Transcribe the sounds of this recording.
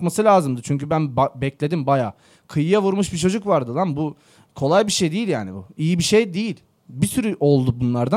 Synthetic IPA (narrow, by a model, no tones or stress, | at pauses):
kmasɯlʲaːzɯmd̪ɯt͡ʃʰyɲcʰybænbbɛclʲe̞d̪imbajaː | kʰɯjɯjavuɾmuʃbit͡ʃʰo̞d͡ʒukvaɾd̪ɯlˠanbu | kʰo̞lˠajbiʃejd̪ejilʲjaːnibṵijibiʃejd̪ejilʲ | bisyɾyʔo̞lˠd̪ubunlˠaɾd̪a